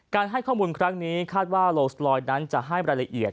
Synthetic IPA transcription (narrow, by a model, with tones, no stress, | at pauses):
kaː˧nɦa˥˩jkʰɔː˥˩muː˧nkʰɾa˦˥ŋniː˦˥kʰaː˥˩t̪̚waː˥˩loː˧slɔː˧jna˦˥nt͡ɕa˨˩ʔɦa˥˩jɾaː˧la˧ʔi˨˩ət̪̚